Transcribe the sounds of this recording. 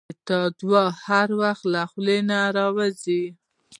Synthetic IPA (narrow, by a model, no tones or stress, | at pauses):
t̪ɑd̪wɑhaɾwaxt̪laxlenaɾɑwazi